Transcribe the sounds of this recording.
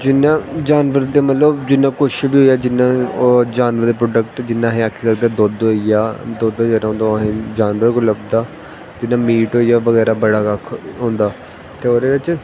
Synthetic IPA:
d͡ʒɪnãːd͡ʒaːnʋəɾd̪eːmət̪ləbd͡ʒɪnːãːkʊʃbiːɦoːiaːd͡ʒɪnãːd͡ʒaːnʋəɾd̪eːp̬ɾoːɖəkʈd͡ʒɪnːãːɦẽːakʰːiːkəɡd̪aːd̪oːd̪ɦoːijaːd̪oːd̪oːd͡ʒɛːɾaɦõːnd̪oɦẽːd͡ʒaːnʋəɾɡʊləbd̪aː | d͡ʒɪnːãːmiːʈɦoːijaːʋəɣɛːɾaːbəɽaːkəkʰɦõːnd̪aː | t̪eːoːd̪eːʋɪt͡ʃ

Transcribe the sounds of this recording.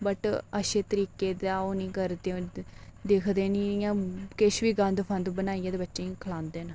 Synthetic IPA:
bəʈəʃeːt̪əɾiːkeːd̪aːoːnĩːkəɾd̪ed̪eːkʰd̪eːnĩːjãːkɪʃʋiːɡə̃nd̪pʰə̃nd̪bənaːijeːd̪eːbətːʃẽːĩkʰəlãːnd̪eːn

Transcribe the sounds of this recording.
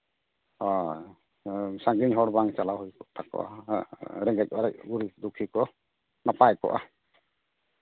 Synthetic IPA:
ɔ | saŋɡiɲɦɔɽbaŋt͡ʃalawɦujkɔt̪ʰakɔ̰ʔa̰ | ɾɛŋɡɛc̚ˀbaɾac̚ɡuɾid̪ukʰikɔ | napajkɔ̰ʔa

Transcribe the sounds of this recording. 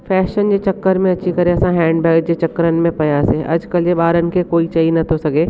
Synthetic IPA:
fɛːʃənd͡ʑeːt͡ɕɐkːəɾmẽɐtːt͡ɕʰikɐɾẽɐsãɦɛ̃ːɳɖbɛːd͡ʑeːt͡ɕɐkːəɾənɪ̆mẽpɐjaseʔɐ̰d͡ʒkəljeɓaːɾənɪ̆kʰekoːit͡ʃɐinɐt̪ʰosɐɡeː

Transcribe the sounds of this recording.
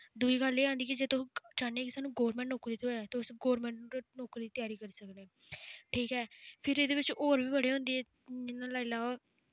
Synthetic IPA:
d̪ʊiːɡəleːãːnd̪iːkid͡ʒeːt̪õːd͡ʒaːneːkɪsaːnũːɡoːɾmɛ̃ːɳʈnɔːkɾiːt̪ʰoɛːt̪eʊsɡoːɾmɛ̃ːɳʈːnoːkɾiːt̪ɪjaːɾiːkəɾiːsəknẽː | ʈʰiːkɦɛːpʰɪɾeːd̪eːʋɪt͡ʃoːɾbiːbəɽeːɦʊ̃nd̪eːɛː | ɪnãːlaːilaːaː

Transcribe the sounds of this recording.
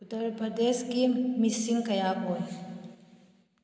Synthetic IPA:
ʊt̪əɾpəd̪eːskimisĩŋɡkɐjaːkɦo

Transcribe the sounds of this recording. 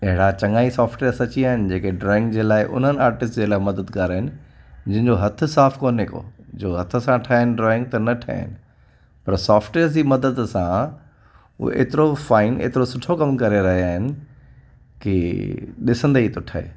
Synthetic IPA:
ɐɦɪɽat͡ɕɐ̃ŋaːisaːfʈʋeːəɾsɐt͡ɕiaːɦɪnɪ̆d͡ʑeːkeɖɾɔːɪ̃ŋɡd͡ʑeːlaːɪʔʊ̰n̤ənɪaːɾʈɪsʈd͡ʑeːlaːɪmɐd̪əd̪kaːɾaɦɪnɪ̆d͡ʑɐ̃ɦɪ̃ɲd͡ʑoɦɐt̪ʰʊ̆saːfkoːnɦɪko̰ːd͡ʑoːɦɐt̪ʰʊ̆sãʈʰaːnɪ̆ɖɾɔːɪ̃ŋɡ̚t̪ɐnɐʈʰa̰ːɪ̰nɪ̆ | pɐɾsaːfʈweːəɾsd͡ʑiːmɐd̪əd̪sã | ṵʔḛːt̪ɪɾofaːɪnḛːt̪ɪɾosʊʈʰokɐmkɐɾeɾɐɦiaːɦɪnɪ̆ | kiɗɪsə̃nd̪əit̪ʊʈʰaḛː

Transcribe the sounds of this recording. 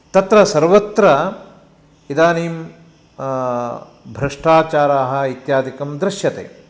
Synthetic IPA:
t̪ɐt̪ɾɐsɐɾʋɐt̪ɾɐ | id̪aːniːm | bʱɾɐʂʈaːt͡ʃaːɾaːɦɐ̆it̪jaːd̪ʱikɐmd̪ɾɪʃjɐt̪ḛː

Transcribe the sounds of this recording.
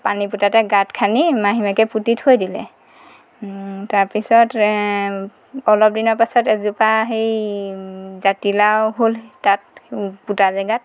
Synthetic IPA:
paniputatɛɡatkʰanimaɦimakɛputithojdilɛ̰ | taɹpisɔt | ɔlɔp̚dinɔɹpasɔtɛzupaɦej | zatilawɦoltat̚putazaɡat̚

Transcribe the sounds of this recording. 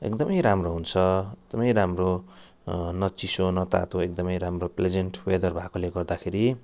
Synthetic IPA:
ḛkd̪ʌmʌjɾamroɦunt͡sʰʌek̚d̪̥ʌmʌjɾamro | nʌt͡sisonʌt̪a̰t̪oek̚d̪ʌmʌjɾamropled͡zeɳʈwed̪ʌrbʱakoleɡʌrd̪akʰeɾi

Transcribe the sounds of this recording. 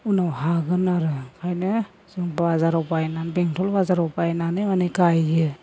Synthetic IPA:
unawɦaɡɯnaɾɯkʰajnɯ | z̥ɯŋbazaɾɔwpajnanbeŋtʰɔlbazaɾɔwpajnanɯmanɯɡajɡɯ

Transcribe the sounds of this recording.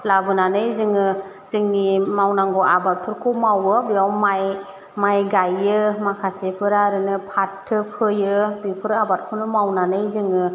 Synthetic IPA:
labɯnanɯjzɯŋɯ | zɯŋnimawnaŋɡɔʔabat̚pʰɯɾkʰɔmawɯbiawmaj | majɡajɯmakʰasepʰɯɾaɾɯnɯpʰatʰːɯpʰɯjɯbipʰɯɾabat̚kʰunɯmawnanɯjzɯŋɯ

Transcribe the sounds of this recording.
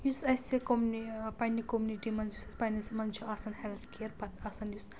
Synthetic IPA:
jusɐsʲikomnipɐnikomuniʈimɐnzusɐspɐnismɐnd͡ʒʰuɐsɐnhɛlt̪kʰeɾpɐt̪ɐsɐnjus

